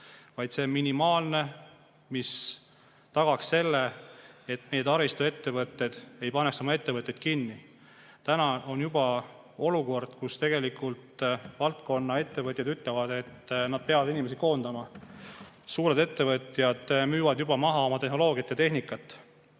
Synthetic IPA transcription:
vɑjd̪se̞minimɑːlne̞ | mis | t̪ɑɡ̥ɑksse̞lːeet̪me̞jet̪ɑɾist̪ue̞t̪ːe̞vɤt̪ːˑe̞d̪̥e̞jpɑnekso̞mɑe̞t̪ːe̞vɤt̪ʲjed̪̥̚kinːi | t̪ænɑo̞njubɑ | o̞luko̞rd̪̥kust̪e̞ɡ̥e̞likult̪vɑlt̪̚ko̞nːɑe̞t̪ːe̞vɤt̪ʲːˑjɑd̪yt̪ˑlevɑd̪̥e̞t̪ːnɑd̪̥̚pe̞ɑvɑd̪̥inimesiko̞ːnd̪ɑmɑ | suːɾe̞d̪e̞t̪ːe̞vɤt̪ʲˑjɑd̪̥myːvɑd̪̥jub̥ɑmɑɦɑo̞mɑt̪e̞ɦno̞lo̞ːɡ̥ijɑt̪ːjɑt̪e̞ɦnikːˑɑt̪ːˑ

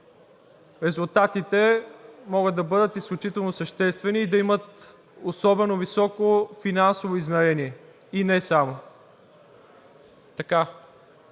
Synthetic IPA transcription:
ɾɛzulˠt̪at̪it̪ɛmɔɡəd̪̚d̪ɐbɤd̪ət̪isklʲut͡ʃit̪ɛlˠnosəʃt̪ɛst̪vɛniːd̪ɐimət̪ | osɔbɛnovisɔkofinansovoizmɛɾɛniɛ | inɛsamo | t̪ɐka

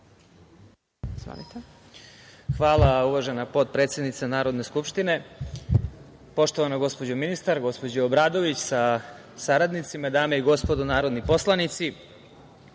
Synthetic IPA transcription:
zva̰nit̪e | xʋaːlˠauʋaʒe̞napo̞t̪̚pɾe̞t̪sje̞d̪nit̪sanaːɾo̞d̪ne̞skupʃt̪ine | po̞ʂt̪oʋanaɡo̞spo̞d͡ʑominist̪aɾɡo̞spo̞d͡ʑeobɾaːd̪o̞ʋit͡ɕsa | saɾad̪nit̪simad̪aːmeiɡo̞spo̞d̪onaːɾod̪nipo̞slˠanit̪si

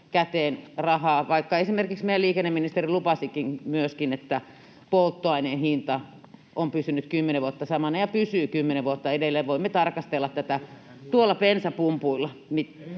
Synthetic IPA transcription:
kæt̪eːnrɑhɑːʋɑikːɑesimerkiksmeliːkenːeminist̪erilupɑsikinmyøskinet̪ːæ | polt̪ːoɑinenhint̪ɑ | ʔompysynyt̪kymːeneʋuot̪ːɑsɑmɑnɑjɑpysyːkymːeneʋʋuot̪ːɑedelːeːʋʋoimːet̪ɑrkɑst̪elːɑt̪t̪æt̪æ | t̪uolːɑpensæpumpuilːˑɑmit̪

